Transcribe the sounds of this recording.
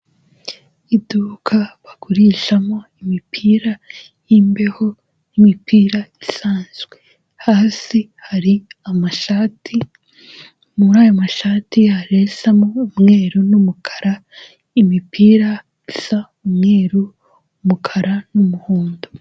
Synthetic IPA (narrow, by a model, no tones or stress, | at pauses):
iduːkʰaβakuɾiʃamo̞imipʰiːɾa | jimbe̞ho̞ | nimipʰiːɾaisaːnzɡwe̞ | haːsihaɾiamaʃatʰi | muɾaːjomaʃaːtihaɾesamo̞ːmŋe̞ːɾunumukʰḁɾa | imipʰiːɾa | isa | umŋe̞ːɾu | mukʰaɾanumuhuːndo